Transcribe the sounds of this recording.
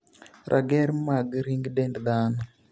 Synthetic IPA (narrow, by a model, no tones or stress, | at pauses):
ɾʔa̰ɡɛɾmaɡɾiŋɡdɛndd̪anɔ